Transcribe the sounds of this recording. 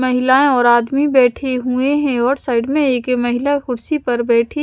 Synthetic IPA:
mɐɦɪlaːẽɔːɾaːd̪mibɛːʈʰeɦueɦɛ̃ɔːɾsaːɪɖmẽeːkemɐɦɪlaxʊɽsipɐɾbɛːʈʰi

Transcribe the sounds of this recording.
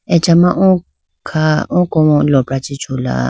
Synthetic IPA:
ɛd͡ʒamãʔɔ̃ | kʰaɔ̃kɔɔlɔpɾat͡ʃit͡ʃʰola̰

